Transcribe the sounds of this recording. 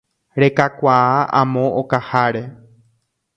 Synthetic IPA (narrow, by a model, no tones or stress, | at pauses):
ɾe̞kakʷaaʔã̰mõʔokahaɾe̞